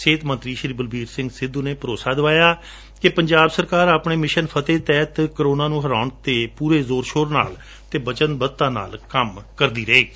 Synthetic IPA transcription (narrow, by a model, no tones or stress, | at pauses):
seːt̪mə̃nt̪ɾiːʃɾiːbəlbiːɾsɪ̃ŋɡsɪd̪uːneːpəɾoːsaːd̪ɪʋaːjaː | kɪpəɲd͡ʒaːbsəɾkaːɾaːpɳeːmɪʃənpʰət̪eːt̪ɛːt̪kəɾoːnaːnũːɦəɾaːʊɳt̪eːpuːɾeːzoːɾʃoːɾna̰ːl | t̪eːbət͡ʃənt̪̚bət̪ːãːna̰ːlkəmkəɾd̪iːɾəeː